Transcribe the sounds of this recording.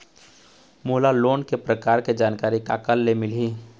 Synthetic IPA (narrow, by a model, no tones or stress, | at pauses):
mʊːlaloːnkepɾəkaːɾked͡ʒaːnkaːɾika̰ːkəlːemɪli